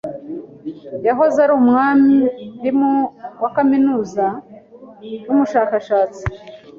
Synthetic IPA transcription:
jaɦo̞zaɾuːmŋaːmiɾimowakaminuːza | jumuʃaːkaʃaːt͡si̥

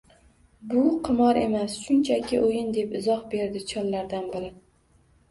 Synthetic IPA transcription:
bʊqʰɨmɒɾe̞̰masʃʊnt͡ʃʰakʲʰɪʔojɪnd̪e̞pɪzɒhbe̞ɾd̪ɪt͡ʃʰɒnlaɾd̪anbɪɾɪ

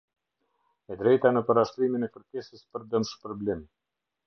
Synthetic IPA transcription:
ɛd̪ɾɛjt̪anəpəɾaʃt̪ɾiminɛkəɾkɛsəspəɾd̪əmʃpɾɔblɛmi

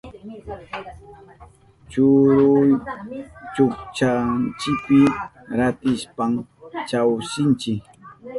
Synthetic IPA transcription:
t͡ʃʊɾʊj | t͡ʃʊkt͡ʃant͡ʃɪkpɪ | ɾat̪ɪspaŋt͡ʃawsɪnt͡ʃɪk

